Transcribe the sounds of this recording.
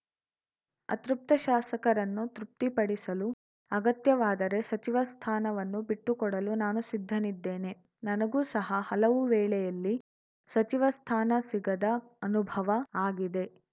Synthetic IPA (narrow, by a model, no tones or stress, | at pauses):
ɐ̰t̪ɾup̚t̪ɐʃaːsɐkɐɾɐnːut̪ɾup̚t̪ipɐɽisɐlu | ɐɡɐt̪jɐʋaːd̪ɐɾe̞sɐt͡ʃiʋɐst̪ʰaːnɐʋɐnːubiʈːukɔɽɐlunaːnusid̪ʱːɐnid̪ːeːne̞ | nɐnɐɡuːsɐɦɐhɐlɐʋuʋɛːɭɛjɐlːi | sɐt͡ʃiʋɐst̪ʰaːnɐsiɡɐd̪ɐ | ɐnubʱɐʋɐaːɡid̪e̞